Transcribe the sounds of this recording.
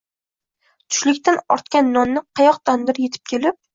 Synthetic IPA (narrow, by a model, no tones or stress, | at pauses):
t̪ʰʊ̥ʃlɪkʲt̪anɒ̰ɾt̪kʲanːɒnːɪqʰɑjɒqt̪ʰand̪ɪɾje̞t̪ʰɪ̥p̚kʲʰelɪp̚